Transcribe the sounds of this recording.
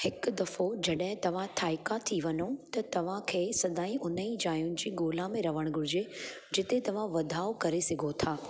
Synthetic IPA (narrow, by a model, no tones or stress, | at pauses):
hɪkʊd̪ɐfod͡ʑɐɗɦɪ̃t̪ɐʋ̤ãt̪ʰaːɪkat̪ʰiʋɐnot̪ɐt̪ɐʋ̤ãkʰeːsɐd̪aːĩʔʊnəĩd͡ʑaːjʊnɪ̆d͡ʑiːɡoːlãmẽɾɐʋəɽ̃ɡʱʊɾɪd͡ʑe | d͡ʑɪt̪et̪ɐʋ̤ãʋɐd̪ʱaːokɐɾesɪɡʱot̪ʰaː